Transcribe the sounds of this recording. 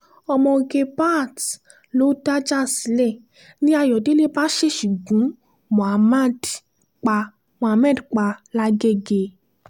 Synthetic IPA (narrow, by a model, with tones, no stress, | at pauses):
ɔ˧mɔ̃˧ɡe˧ba˦˨t | lo˦da˦d͡ʒa˦˨si˨˦lɛ˦˨ | nĩ˦a˧jɔ˨de˨˦le˦ba˦ʃe˦ʃu˨ɡũ˨˦ | mɔ̃˨a˨ma˦˨d | k͡pa˧ | mɔ̃˨a˧mɛ̃˦˨dk͡pa˧la˦ɡe˦ɡe˧